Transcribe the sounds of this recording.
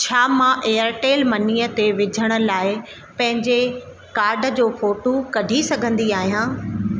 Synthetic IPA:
t͡ɕʰaːmãːʔeːəɾʈeːlmɐniːət̪eʋɪd͡ʑʱəɽ̃ə̆laːɪ | pɐ̃ɦɪ̃ɲd͡ʑe | kaːɾɖə̆d͡ʑoːfoːʈokɐɖʱisɐɡʱə̃nd̪iaːɦijãː

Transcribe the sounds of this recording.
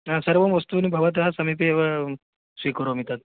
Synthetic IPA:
ãsɐɾʋɐmʋɐst̪unibʱɐʋat̪̬ɐɦasɐmip̬eeʋa | sʋiːkəɾomit̪at̪

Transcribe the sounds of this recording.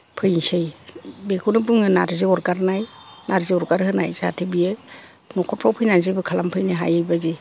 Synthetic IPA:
pʰɯjnsɯjbeɡʰunɯbɯŋɯnaɾzɯɔɾɡaɾnaj | naɾzɯɔɾɡaɾhɯna̰jzaatʰibijɯ | nɔkʰɔt̚pʰɾawpʰɯjnanzɯbɯkʰalampʰɯjnɯɦa̰jɯjbaze

